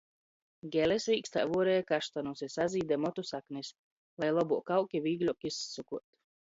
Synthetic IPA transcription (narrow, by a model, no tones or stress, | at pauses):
ɡʲɛlɛsɾiːkst̪ajvuɔɾɛjakaʃt̪anusisaziːd̪ɛmɔt̪usaknis | lˠajlˠɔbuɔkawkʲivʲiːɡlʲukisːukuɔt̪